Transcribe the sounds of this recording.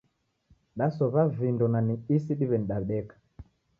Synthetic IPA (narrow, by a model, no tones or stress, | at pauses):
ɗasɔβavindɔnaniisiɗiβɛniɗaɗɛkḁ